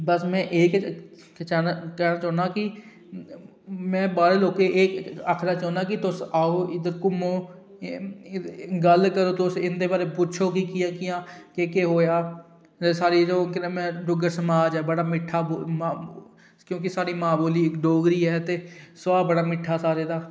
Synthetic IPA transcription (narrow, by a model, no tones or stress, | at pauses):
bəsmɛ̃ːʔeːk | t͡ʃɛːnakɛːnaːt͡ʃaːnaːkɪ | mɛ̃ːbaːɾeːloːkeʔeːkaːkʰnaːt͡ʃãːnd̪aːkɪt̪ʊsaːoːɪd̪əɾkʊmoː | ɡəlkəɾoːt̪ʊsɪnd̪eːbaːɾeːpʊt͡ʃʰoːkikɪjãːkɪjãːkeːkeːɦoːjaː | d͡ʒsaːɾiːloːknːmɛ̃ːɖʊɡəɾsəmaːd͡ʒɛːbəɽaːmɪʈʰːaːboma | kjõːk̬ɪsaːɾiːmaːboːliːɪkɖoːɡɾiːɦɛːt̪eːsʋaːbəɽaːmɪʈʰːaːsaːɾeːd̪aː